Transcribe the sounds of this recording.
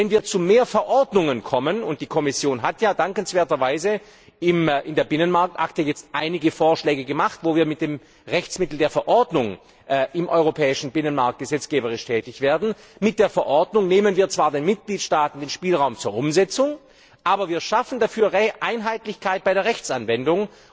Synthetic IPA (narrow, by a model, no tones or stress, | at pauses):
vɛnviːɐt͡sumeːɐfɛɐʔɔɐdnʊŋənkʰɔmənʊnt̚d̥iːkʰɔmɪsjoːnɦatjaːdaŋkənsv̥eːɐtɐvaɪzə | ɪmʔɪndeːɐbɪnənmaɐk̚tʔa̰ktəjɛt͡stʔaɪnɪɡəfoːɐʃlɛːɡəɡəmaχtvoːviːɐmɪt̚d̥eːm | ʁɛçt͡smɪtl̩deːɐfɛɐʔɔɐdnʊŋ | ʔɪmʔɔʏʁopʰɛːɪʃn̩bɪnənmaɐk̚t̚ɡ̥əzɛt͡sɡ̥eːbəʁɪʃtʰɛːtɪçv̥eːɐdn̩ | mɪt̚d̥eːɐfɛɐʔɔɐdnʊŋneːmənviːɐt͡sv̥aːɐdeːnmɪt̚ɡ̥liːtʃtaːtn̩deːnʃpiːlʁaʊmt͡suːɐʔʊmzɛt͡sʊŋ | ʔaːbɐviːɐʃafn̩dafyːɐʁɛʔaɪnɦaɪtlɪçkʰaɪt̚b̥aɪɾeɐʁɛçt͡sanvɛndʊŋ